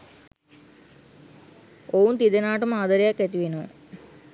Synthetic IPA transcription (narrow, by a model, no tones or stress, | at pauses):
ount̪id̪enaːʈəmaːd̪əɾejakːæt̪iʋenoː